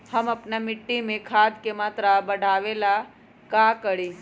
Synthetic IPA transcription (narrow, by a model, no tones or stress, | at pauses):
hɐmɐpnamɪʈːimẽkʰaːd̪kemaːt̪ɾabɐɽʱaːʋeːla | kakəɽiː